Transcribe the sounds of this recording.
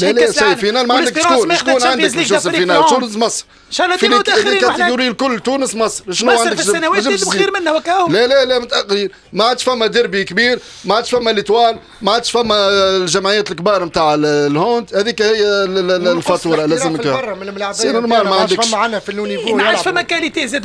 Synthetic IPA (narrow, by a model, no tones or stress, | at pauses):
ælsˤifinæːlmaʕand̪əkʃuːnʃk̪uːnʕanəklʃsfinælt̪ːuːnəsmɑsˤɾ | flilikæt̪ɪɡuɾɪjlkʊlːt̪uːnəsmɑsˤɾʃnuwʕand̪əkʃʒɪiiɾmɪnːlælælæmʊt̪ʔæqiːɾ | maʕad̪ʃfæmːæd̪ɪɾbikbiːɾ | maʕad̪ʃfæmːælit̪wæːl | maʕad̪ʃfæmːælʒæmʕɪjːæːt̪əlkbiːɾˤmt̪aːʕllhont̪hæðiːkæhɪjːælfɑt̪uːɾˤɑlæzəmksinʊnmɑlmaʕand̪əʃanhfiluniʕafæmːækælit̪ezɛd̪